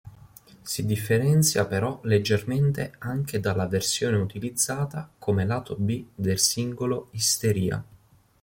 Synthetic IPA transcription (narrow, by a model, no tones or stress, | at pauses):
sid̪ifːeɾɛnt̪sjapeɾɔled͡ʒːerment̪eaŋk̟ed̪alːaversjoːneut̪ilid̪zːaːt̪akʰomelaːt̪obid̪elsiŋɡoloist̪eɾiːa̰